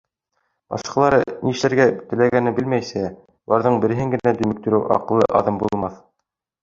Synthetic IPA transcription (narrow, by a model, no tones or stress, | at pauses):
bɑ̰ʃqɑlˠɑɾɤniɘ̆ʃlæɾɡæt̪ɘ̆læɡænɘbɘlmæjsæ | ulˠɑɾðɤɴbɘ̆ɾɘ̆ɦɘŋɡɘ̆næd̪ɵ̆mɘ̆k̚t̪ɵ̆ɾɘwʔɑ̰qɤ̆lˠːɤ̰ʔɑ̰ðɤmbulˠmɑθ